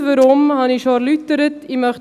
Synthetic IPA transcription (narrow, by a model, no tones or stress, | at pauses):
vəɾɔmhɑniʃɑːɾlyt̪əɾət̪imœχ